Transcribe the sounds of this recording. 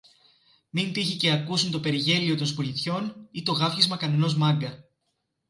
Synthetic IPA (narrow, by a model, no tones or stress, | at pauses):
mint̪içice̞ɐkusunt̪o̞pe̞ɾiʝe̞lio̞t̪o̞nspolit̪ço̞nit̪o̞ɣɐfçizmɐkɐneno̞zmɐŋɡɐ